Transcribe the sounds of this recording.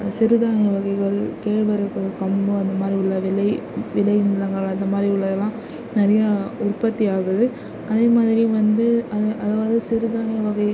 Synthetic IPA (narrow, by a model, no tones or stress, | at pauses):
sɪɾɯðaːnɪjɐʋɐɣɐɪɣɐɭkeːɻʋɐɾɯkːɯkɐmbɯɐnd̪ɐmaːd̪ɾiʊɭːɐʋɪlɐɪʋɪlɐɪnɪlɐŋɡɐɭɐnd̪ɐmaːd̪ɾiʊɭːɐðɐlːãː | nɪɾɐjɐʊrpɐt̪ːiaːɣɯðɯ | ɐðeːmaːðɪɾɪjʊ̃ʋɐnd̪ɯɐðɯʔɐðaːʋɐðɯsɪɾɯðaːnɪjɐʋɐɣɐɪ